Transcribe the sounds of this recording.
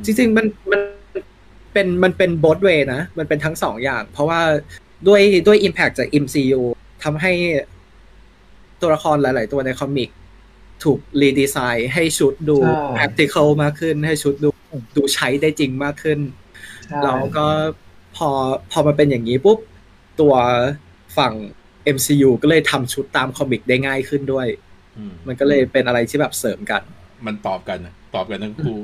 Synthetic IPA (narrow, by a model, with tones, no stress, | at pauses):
t͡ɕi˧ŋt͡ɕi˧ŋma˧nma˧n˧n | pe˧nma˧npe˧nbo˦˥t̪̚weː˧na˦˥ma˧npe˧nt̪ʰa˦˥ŋsɔ̰ː˩˦ŋjaː˨˩ŋpʰɾɔ˦˥waː˥˩ | du˥˩əjdu˥˩əjʔi˧mpʰɛ˨˩k̚t͡ɕaː˨˩k̚ʔi˧msiː˧juː˧ | t̪ʰa˧mɦa˥˩j | t̪u˧ɐla˦˥kʰɔː˧nlaː˨˩˦jlaː˩˦jt̪u˧ɐna˧jkʰɔ˧mːi˨˩k̚ | t̪ʰuː˨˩k̚liː˧diː˧saː˧jɦa˥˩jt͡ɕʰu˦˥t̪̚duː˧pʰɛ˦˥k̚t̪ʰi˧kʰɤ˥˩wmaː˥˩kʰːɯ˥˩nɦa˥˩jt͡ɕʰu˦˥t̪̚duː˧duː˧t͡ɕʰa˦˥jda˥˩jt͡ɕi˧ŋmaː˥˩kʰːɯ˥˩n | lɛː˦˥wkɔː˥˩ | pʰɔː˧pʰɔː˧ma˧np̬e˧njaː˨˩ŋːiː˦˥pu˦˥p̚ | t̪u˧ɐ | fa˨˩ŋ | ʔe˧msiː˧juː˧kɔː˥˩lɤː˧˩jt̪ʰa˧mt͡ɕʰu˦˥t̪ːaː˧mkʰɔ˧mːi˨˩k̚daː˥˩jŋaː˥˩jkʰɯ˥˩ndu˥˩əj | ma˧nkɔː˥˩lɤː˧jpe˧nʔa˧ɾa˧jt̪ʰiː˥˩bɛː˨˩p̚sɤː˩˦mka˧nma˧nt̪ɔː˨˩p̚ka˧n˩t̪ɔː˨˩p̚ka˧nʰa˥˩ŋkʰuː˥˩